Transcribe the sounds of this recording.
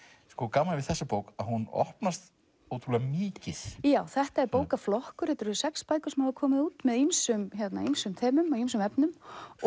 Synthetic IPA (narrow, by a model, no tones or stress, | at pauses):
skɔkaːmalvɪðθɛsːapowkaðhunɔ̰hpnast̪ | owt̪ʰɾulɛamɪːcɪθjaːwθɛht̪aɛɾpoːwkaflɔhkʏɾ̥hɛt̪ːɾsɛkspaːjkʏɾ̥sɛmhɛvakʰɔːmɪðuːt̪mɛðimsʏmçjɛt̪naimsʏmt̪ʰɛːmʏmɔims̬ʏmɛpnʏm